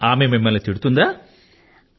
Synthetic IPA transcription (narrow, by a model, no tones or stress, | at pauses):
aːmememːɐlɐt̪iɽɯt̪ːund̪aː